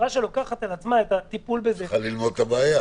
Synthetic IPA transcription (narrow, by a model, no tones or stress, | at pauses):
ʁaʃelo̞kaχat̪alat͡smaet̪at̪ipulbezealːilmo̞d̪̚t̪abeːja